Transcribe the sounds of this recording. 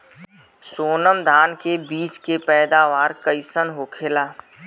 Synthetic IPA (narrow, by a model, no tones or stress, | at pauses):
soːnəmd̪ʱaːnkebiːt͡ʃkepɛːd̪aːʋaːɾkəɪsənɦoːkʰeːlaː